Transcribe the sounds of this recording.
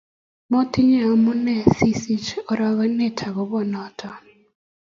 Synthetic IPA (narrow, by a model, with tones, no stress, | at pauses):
mɔ˦tɪ˦ɲɛ˦˨ɔ˨mʊ˦nɛ˦˨si˦si˦t͡ʃɔ˨ɾa˦ɣɔ˦nɛ˦tʰa˨ɣɔ˨˦bɔ˦nɔ˦tʰɔ˨